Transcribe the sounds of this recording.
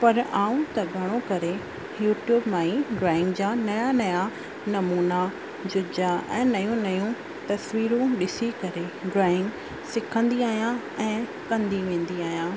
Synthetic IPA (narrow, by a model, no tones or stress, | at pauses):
pɐɾaːũt̪ɐɡʱɐɽ̃okɐɾe | juːʈjuːbmãːĩɖɾaːɪ̃ŋɡd͡ʑanɐjanɐja | nɐmuːna | d͡ʑʊd͡ʑaɛ̃ːnɐjũnɐjũ | t̪ɐsʋiːɾũɗɪsikɐɾeɖɾaːɪ̃ŋɡ | sɪkʰə̃nd̪iaːɦijã | ɛ̃ː | kɐ̃nd̪iʋẽːn̆d̪iaːɦijãː